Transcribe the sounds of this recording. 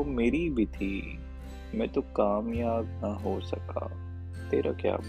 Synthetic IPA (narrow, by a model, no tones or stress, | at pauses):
omeːɾibʱit̪ʰiː | mɛ̃ːt̪okaːmjaːbnɐɦosɐka̰ː | t̪eːɾa̰kja̰ːb